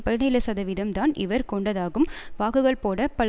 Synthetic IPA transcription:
pɐlneːlɐsɐðɐʋɪðɐmt̪aːnʔɪ̰ʋɐɾkɔɳɖɐðaːɣɯmʋaːɣɯɣɐɭpoːɽɐpɐl

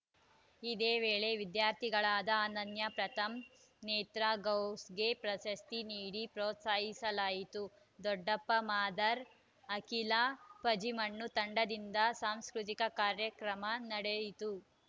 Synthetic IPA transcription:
id̪eːʋeːɭe̞ʋid̪jaːɾt̪ʰiɡɐɭaːd̪ɐaːnɐnjɐpɾɐt̪ɐm | neːt̪ɾaɡɐwsɡe̞pɾɐʃɐst̪iniːɽipɾoːt̪saːɦisɐlaːjit̪u | d̪ɔɖːɐpːɐmaːd̪ɐɾ | ɐkilapɐd͡ʒimɐɳːut̪ɐɳɖɐd̪ind̪ɐsaːmskɾut̪̬ikɐkaːɾjɐkɾɐmɐnɐɽejit̪u

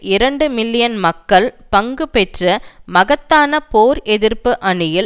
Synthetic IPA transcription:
ɪɾɐɳɖɯmɪlːɪjɐnmɐkːɐɭpɐŋɡɯpɛʈrɐmɐɣɐt̪ːaːnɐpoːɾʔɛðɪɾpɯʔɐɳɯjɪl

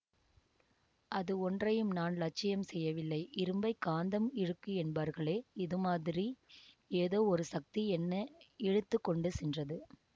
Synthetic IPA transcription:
ʔɐðɯɔndrɐjɯmnaːnlɐt͡ʃːɪjɐmsɛjːɐʋɪlːɐɪʔɪɾɯmbɐɪkːaːnd̪ɐmɪɻɯkːɯɛnbaːɾɣɐɭeːɪðɯmaːðɪɾi | eːðoːɔɾɯsɐk̚t̪iɛnːɐɛɻɯt̪ːɯkːɔɳɖɯsɛndrɐðɯ

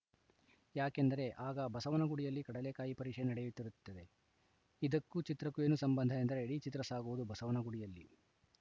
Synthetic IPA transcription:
jaːke̞nd̪ɐɾe̞ʔaːɡɐbɐsɐʋɐnɐɡuɽijɐlːikɐɽɐle̞kaːjipɐɾiːʂenɐɽejut̪ːiɾut̪ːɐd̪e̞ | id̪ɐkːut͡ʃit̪ɾɐkue̞ːnusɐmbɐnd̪ʱɐend̪ɐɾe̞ːɽit͡ʃit̪ɾɐsaːɡuʋud̪ubɐsɐʋɐnɐɡuɽijɐlːi

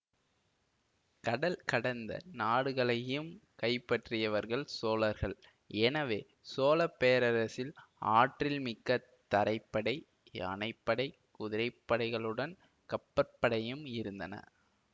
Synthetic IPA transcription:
kɐɽɐlkɐɽɐnd̪ɐ̰naːɽɯɣɐɭɐjɯmkɐɪpːɐʈrɪjɐʋɐɾɣɐɭsoːlɐɾɣɐɭ | ɛnɐʋeː | soːlɐpːeːɾɐɾɐsɪla̰ːʈrɪlmɪkːɐ | t̪ːɐɾɐɪpːɐɽɐɪ | ɐ̰nɐɪpːɐɽɐɪ | kʊðɪɾɐɪpːɐɽɐɪɣɐɭɯɽɐn | kɐpːɐɾpːɐɽɐjɯmɪɾɯnd̪ɐnɐ̰

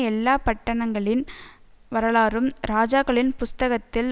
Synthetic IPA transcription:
ɛlːaːpɐʈːɐɳɐŋɡɐɭɪn | ʋɐɾɐɭaːɾɯmɾaːd͡ʒaːɣɐɭɪnpʊst̪ɐɣɐt̪ːɪl

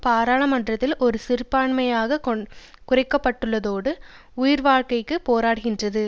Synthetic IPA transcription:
paːɾaːɭɐmɐndrɐt̪ːɪlʔɔɾɯsɪɾɯpːaːɳmɐjaːɣɐkkʊrɐɪkːɐpːɐʈːɯɭːɐðoːɽɯ | ʊjɪɾʋaːɻkɐɪkːɯpoːɾaːɽɯɣɪndrɐðɯ

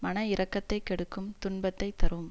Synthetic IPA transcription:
mɐnɐɪɾɐkːɐt̪ːɐɪkɛɽɯkːɯmt̪ʊɳbɐt̪ːɐɪt̪ːɐɾɯm

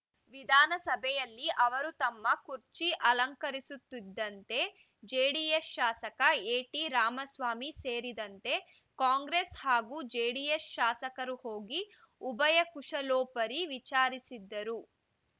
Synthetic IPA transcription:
ʋid̪ʱaːnɐsɐbʱɛjɐlːiʔɐʋɐɾut̪ɐmːɐkuɾt͡ʃiʔɐlɐŋkɐɾisut̪ːid̪ːɐnt̪e̞ | d͡ʒeːɽijesʃaːsɐkɐeːʈiɾaːmɐsʋaːmiseːɾid̪ɐnt̪e̞ | kaːŋɡɾeshaːɡuːd͡ʒeːɽijesʃaːsɐkɐɾuho̞ːɡi | ubɐjɐkuʂɐlɔːpɐɾiʋit͡ʃaːɾisid̪ːɐɾu

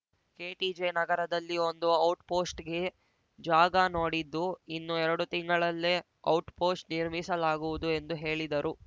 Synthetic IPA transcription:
ke̞ːʈid͡ʒenɐɡɐɾɐd̪ɐlːio̞nd̪uɐwʈpo̞ːsʈɡe̞ | d͡ʒaːɡɐnoːɽid̪ːuinːuɛɾɐɽut̪iŋɡɐɭɐlːe | ɐwʈpo̞ːsʈniɾmisɐlaːɡuʋud̪ue̞nd̪uɦe̞ːɭid̪ɐɾʔu

